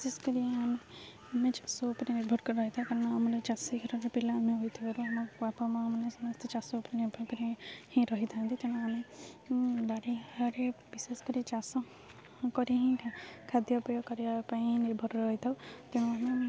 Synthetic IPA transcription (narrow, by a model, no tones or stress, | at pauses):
biseskɔɾiame | mẽt͡ʃḁsoːpɾiniɾbʱɔɾkɔɾɔɦit̪ʰakɔɾnaːmɔlt͡ʃasikʰɔɾɔɾepilaːmẽɦojt̪ʰibaɾuamɔbapamãːmɔnesɔmʌst̪ʰɔt͡ʃasoːpɾiniɾbʱɔɾkɔɾihĩɾʌɦit̪ʰãnt̪it̪eñũamẽ | baɽiaɾebiseskɔɾit͡ʃasɔ | kɔɾiɦĩkʰad̪jɔpɔjɔkɔɾiapaĩniɾbʱɔɾɔɦit̪ʰawt̪ɔñũame